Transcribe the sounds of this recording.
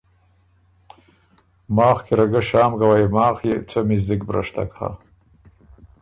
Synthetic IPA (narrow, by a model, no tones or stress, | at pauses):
mɑːxk̪eɾaɡaʃɑːmɡawajmɑːxjet͡somizd̪ikbɾa̰ʂt̪a̰kha̰